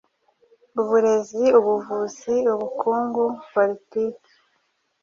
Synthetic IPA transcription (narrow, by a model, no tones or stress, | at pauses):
uβuɾe̞ziuβuvuziuβukuːŋɡupolitiːki̥